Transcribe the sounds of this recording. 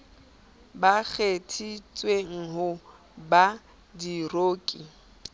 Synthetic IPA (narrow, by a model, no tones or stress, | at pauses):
bak͡xʰetʰit͡sʼweŋ̩ɦʊ | ba | diroːkʼi